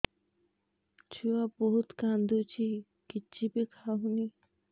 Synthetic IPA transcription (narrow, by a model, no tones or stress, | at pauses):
t͡ɕʰuaboɦut̪kand̪ut͡ɕi | kit͡ɕibikʰaɦuni